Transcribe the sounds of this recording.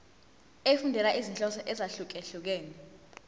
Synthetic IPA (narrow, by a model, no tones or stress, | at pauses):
efundʱɛlaʔizinɬʼɔsɔʔɛzaɬuk̬ɛɬuk̬ɛːnɛ